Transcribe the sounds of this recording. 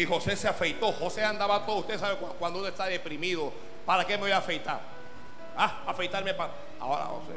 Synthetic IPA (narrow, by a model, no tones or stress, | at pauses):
iho̞se̞seafejt̪o̞ho̞seand̪aβat̪oðust̪esaβekwakwand̪ounoest̪aðepɾimiðo | paɾake̞meβojafejt̪a̰ɾ | a | afejt̪aɾmepa | a̰oɾa̰ho̰sḛ